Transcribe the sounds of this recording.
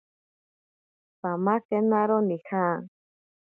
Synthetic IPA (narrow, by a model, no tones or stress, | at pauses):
pamakenaɾonixa